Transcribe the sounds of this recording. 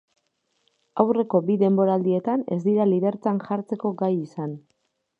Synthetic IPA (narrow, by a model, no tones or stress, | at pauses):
awre̞ko̞biðe̞mbo̞ɾald̪ie̞t̪ane̞zd̪iɾaliβe̞ɾt͡sanʝaɾt͡se̞ko̞ɡajisan